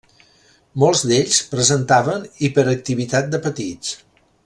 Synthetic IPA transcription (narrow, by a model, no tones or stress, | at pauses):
mɔlˠzd̪eʎspɾəzənt̪aβənipəɾək̚t̪iβit̪at̪̚d̪əpət̪it͡s